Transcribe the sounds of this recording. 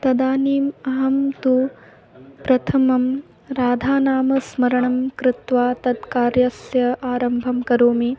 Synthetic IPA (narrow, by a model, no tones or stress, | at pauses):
t̪ɐd̪aːniːmɐɦɐmt̪u | pɾɐt̪ʰɐmɐm | ɾaːd̪ʱaːnaːmɐsmɐɾɐɳɐmkɾɪt̪ʋaːt̪ɐd̪kaːɾjɐsjɐʔaːɾɐmbʱɐmkɐɾoːmi